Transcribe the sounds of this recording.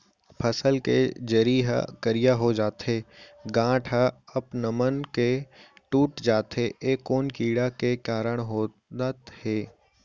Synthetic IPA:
pʰɐsəlkḛd͡ʒɐɾiːɦə̰kəɾɪjaɦod͡ʒaːt̪ɦeːɡãːʈʰɦəɐpnəmənkeʈuːʈd͡ʒaːt̪ɦeʔeːkːoːnkiːɽakekaːɾəɽ̃ɦoː | at̪heː

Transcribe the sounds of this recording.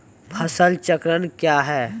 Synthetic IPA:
pʰɐsəlt͡ʃəkɾənkjaːɦɛː

